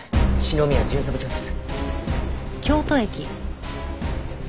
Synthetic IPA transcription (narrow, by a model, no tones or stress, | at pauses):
ɕino̞mʲiβad͡ʑɨːsokɯ̟̥t͡ɕoːd̪e̞sɨ̥ | kʲo̞ːt̪o̞e̞kʲi